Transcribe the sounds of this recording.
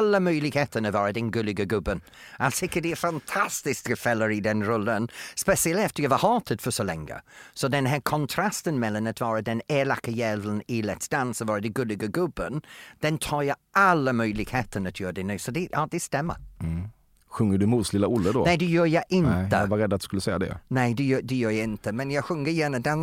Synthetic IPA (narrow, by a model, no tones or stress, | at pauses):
ləmœjlɪɡheːt̪ʰənəvɔɹədɛnɡɵlɪɡəɡʊbən | alsɪkədɪɛfantʰastɪsktɡəfɛləɾɪdɛnɾɔlənspɛsiəlɛftəjavahɔːtʰəd̥fəsɔlɛ̰ŋɡə̰sɔdɛnɦɛːkʰɔntʰɾastənmɛlanətvɔːɾəd̪ɛnɛːlakəjɛvlənilɛtsd̥ansəvɔːɹədɪɡɵlɪɡəɡʊbənd̪̥ɛnt̪ʰɑːɾjaalːəmœjlɪɡ̥heːt̪ʰəɳət̪ʰjœːdɛnʉːsɔd̪ɛjɑːd̪ɛst̪ɛmːə̰ | ɧɵŋːəɖɵmuːd̪slɪlːaʊlːəd̪ɔ̰nɛɪd̪ɛjœːjaʔɪnt̪ə̰vaɾɛd̪ːat̪d̪ʉ̥skɵlːəsɛjːad̪ɛ̰nɛɪd̪ɛjœːd̪ɛjœːjaɪnt̪əmɛnjaɧɵŋːəjɛːnəd̪an